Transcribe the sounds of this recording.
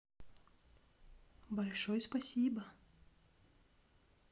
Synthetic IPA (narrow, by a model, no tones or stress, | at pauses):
balʲʂɔjspasʲibɐ